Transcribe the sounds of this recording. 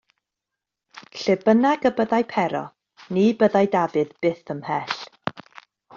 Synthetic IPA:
ɬɪbənaɡəbəðajpʰɛɾɔ̰ | niːbəðajdavɨðb̥ɪθəmhɛɬ

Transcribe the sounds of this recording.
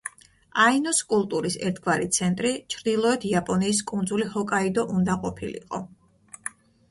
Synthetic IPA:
ainɔskʼulˠt̪ʼuɾisɛ̰ɾt̪ʰɡvaɾit̪sʰɛnt̪ʼɾit͡ʃʰɾd̪ilˠɔɛt̪ʰiapʼɔniːskʼund̪zulihɔkʼaid̪ɔʔund̪aqʼɔpʰilḭqʼɔ̰

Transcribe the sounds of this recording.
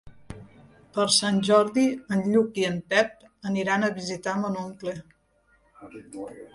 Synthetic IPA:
pəɾsanʲʒɔɾðiənʎukiənpɛp̚ | əniɾanəβizit̪amənoŋkle

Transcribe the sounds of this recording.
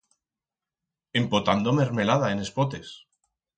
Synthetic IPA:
e̞mpot̪and̪ome̞ɾme̞laðaene̞spot̪e̞s

